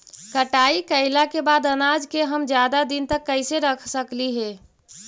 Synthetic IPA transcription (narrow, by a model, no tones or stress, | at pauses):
kəʈaikəɪlakebaːd̪ənad͡ʒkeɦəmd͡ʒjad̪ad̪int̪əkːəɪseɾəkʰsəkliɦɛː